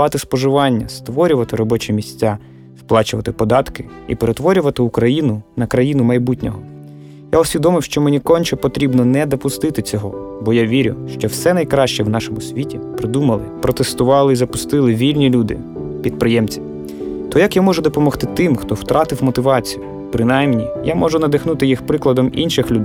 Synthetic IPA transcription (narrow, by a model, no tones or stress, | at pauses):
ɑt̪ɪspɔʒɪʋɑnʲːɐst̪ʋɔɾʲʊʋɐt̪ɪɾɔbɔt͡ʃɛmʲisʲt͡sʲːa | wplˠɑt͡ʃʊʋɐt̪ɪpɔd̪ɑt̪kɪ | ḭpeɾet̪ʋɔɾʲʊʋɐt̪ɪukɾɐjinʊnɐkɾɐjinʊmɐjbutʲnʲɔɦɔ | jaʊsʲʋʲid̪ɔmɪwʃt͡ʃɔmenʲikɔnʲt͡ʃɛpɔt̪ɾʲibnɔnɛd̪ɔpʊst̪ɪt̪ɪt͡sʲɔɦɔbɔjaʋʲiɾʲʊ̰ʃt͡ʃɔwsɛnɐjkɾɑʃt͡ʃɛwnɑʃɔmʊsʲʋʲitʲipɾɪd̪umɐlˠɪpɾɔt̪est̪ʊʋɑlˠɪizɐpʊst̪ɪlˠɪʋʲilʲnʲilʲud̪ɪ̰ | pʲid̪̚pɾɪjɛmt͡sʲi | t̪ɔjɐkjamɔʒʊd̪ɔpɔmɔxt̪ɪt̪ɪmxt̪ɔwt̪ɾɑt̪ɪwmɔt̪ɪʋɑt͡sʲijʊ | pɾɪnɑjmnʲijamɔʒʊnɐd̪ɪxnut̪ɪjixpɾɪklˠɐd̪ɔmḭnʃɪxlʲʊd̪j